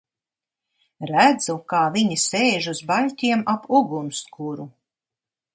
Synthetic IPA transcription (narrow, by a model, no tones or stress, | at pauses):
ɾæd̪zukaːviɲisɛjʒuzbalʲtʲiɛmapʰuɡunskʰuɾu